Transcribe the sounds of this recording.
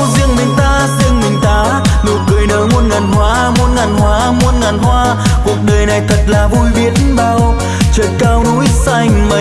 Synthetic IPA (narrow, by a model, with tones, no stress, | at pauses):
zi˧əŋmï˨˩ŋ̟t̪aː˧zi˧əŋmï˨˩ŋ̟t̪aː˧˩ | nu˨˩t̚kɨ˨˩əjnəː˨˦mo˧nŋa˨˩nhwaː˨˦mo˨˧˥nŋa˨˩nhwaː˨˦mu˧˥nŋa˨˩nhwaː˧ | ku˨˩ək̚ɗəː˨˩jna˨˩jt̪ʰə˨˩t̚laː˨˩vu˧jɓi˨˦ət̚nɓaː˧˩w | t͡ɕəː˨˩t̚kaː˧wnu˨˦jsa˧jŋ̟mə˨˧˩